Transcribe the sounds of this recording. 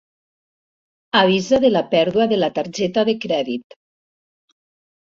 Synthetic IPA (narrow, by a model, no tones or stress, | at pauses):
aβ̞izaðelapɛɾðuaðelat̪aɾd͡ʒɛt̪aðekɾɛðit̪